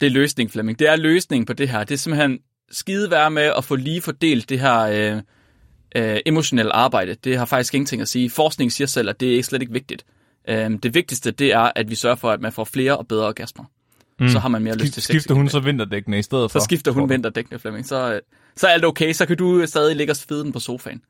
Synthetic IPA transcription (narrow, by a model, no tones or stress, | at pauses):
d̥eløːsne̝ŋfleme̝ŋd̥e̝æɐløːsne̝ŋn̩pʰɒ̽d̥e̝ɦæɐ̰d̥e̝æse̝m̩en | sɡ̥iːð̞ˠʋæːɐmeʔɒ̽fɔ̽liːfɒd̥e̝̰ːld̥ːe̝ɦæɐ̰ø | ʔʔe̝mo̝ɕo̝nel̰ʔɑ̈ːb̥ɑ̈ɪ̰d̥əd̥e̝ɦɑ̈fɑ̈ɡ̥isɡ̥e̝ŋn̩t͡sʰe̝ŋæsiːfɒ̰ːsɡ̥ne̝ŋsiːɐsel̰æd̥e̝æɐe̝ɡ̥əsleɾ̥eɡ̥əʋe̝ɡ̥̚d̥id̥ | ʔød̥e̝ʋe̝ɡ̥̚d̥isd̥əd̥e̝æɐʔæd̥ʋisɶɐfɒ̽æd̥mænfɒ̰ːfle̝ːɐʔɒ̽b̥eð̞ˠʁɐɒɡ̥æsm̥ɐ | sɒ̽ɦɑ̈mænme̝ɐɐløsst͡sʰesifdɐhunsɒʋend̥ɐd̥eɡ̥nəisd̥eð̞̰̩ˠsɒ̽sɡ̥ifd̥ɐɦunʋen̰d̥ɐd̥eɡ̥nəflemesɒ̽ | sɒæld̥oʊkʰeɪsɒ̽kʰædusd̥ɛːð̞ˠileɡ̥ɒsfeð̞ˠnn̩pʰɒ̽so̝ːfɛ̰ɪn